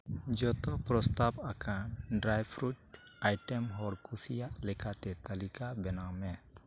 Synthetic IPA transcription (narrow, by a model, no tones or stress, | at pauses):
d͡ʒɔt̪ɔpɾɔst̪abakanɖɾajpʰɾuʈ̚ajʈɛmɦɔɾkusijaʔlɛkʰat̪ɛt̪alikabɛnamɛ